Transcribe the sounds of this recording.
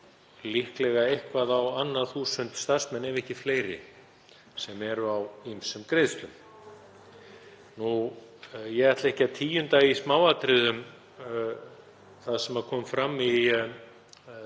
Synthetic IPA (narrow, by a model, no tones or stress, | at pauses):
lihklɛɣaejhkvaðawanːaθuːsʏnt̪st̪aɾsmɛnːɛvɛhcɪfleːjɾɪ̰ | sɛmɛɾʏawimsʏmkɾejðst̪ʏm | nu | jɛɣaɾt̪laehcaðt̪ʰiːjʏnt̪aɣismaːwat̪ɾɪðʏm | θaðsɛmaðkʰɔːmfɾamːi